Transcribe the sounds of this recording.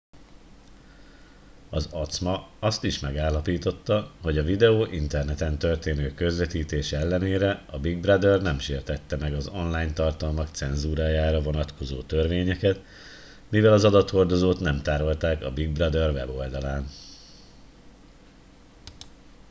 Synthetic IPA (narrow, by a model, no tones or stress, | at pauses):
ɒzɒt̪smɒɒst̪iʃmɛɡaːlːɒpiːt̪o̞t̪ːɒɦo̞ɟɒvid̪ɛoːʔint̪ɛrnɛt̪ɛnt̪ø̞rt̪eːnøːkø̞zlɛt̪iːt̪eːʃɛlːɛneːɾɛɒbiɡ̚brɒd̪ɛrnɛmʃeːrt̪ɛt̪ːɛmɛɡɒzonlaːjnt̪ɒrt̪ɒlmɒkt̪sɛnzuːɾaːjaːɾɒvo̞nɒt̪kʰo̞zoːt̪ørveːɲɛkɛt̪ | mivɛlɒzɒd̪ɒt̪ho̞rd̪o̞zoːt̪nɛmt̪aːɾo̞lt̪aːkɒbiɡ̚brɒd̪ɛrvɛ̰bo̞ld̪ɒlaːn